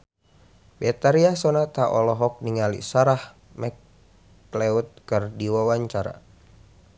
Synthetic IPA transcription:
bɛt̪aɾiasɔnat̪aʔɔlɔɦɔk̚niŋalḭsaɾah | mɛk | lɛut̪̚kɨrdiwawaɲt͡ʃaɾa̰

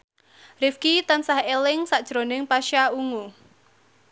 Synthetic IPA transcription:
rifkit̪ansahelɪŋsaʔd̥ʒ̥ɾonɪŋpaʃauŋu

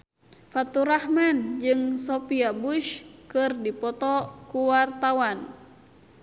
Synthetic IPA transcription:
fat̪uɾahmand͡ʒɨŋsɔpiabuʃkɨrdipɔt̪ɔkuwart̪awan

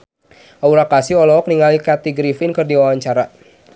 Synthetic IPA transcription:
auɾakasiɔlɔɔk̚niŋalikat̪iɡɾifɪnkɨrdiwawaɲt͡ʃaɾa

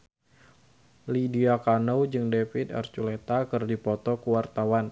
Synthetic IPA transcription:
lidiakanowd͡ʒɨŋdefit̪ɛ̰rt͡ʃulet̪akɨrdipɔt̪ɔkuwart̪awan

